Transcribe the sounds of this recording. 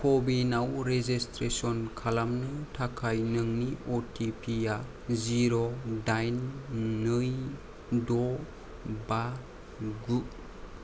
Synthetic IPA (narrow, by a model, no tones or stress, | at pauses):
kʰobinawɾezistɾesɔnkʰalamnɯtʰakʰajnɯŋniotʰipʰija | ziɾodajnː | ɯj | dɔ | ba | ɡu